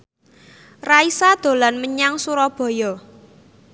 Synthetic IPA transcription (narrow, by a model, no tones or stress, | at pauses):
raisad̪̥o̤lanməɲaŋsuɾɔb̥ɔ̤jɔ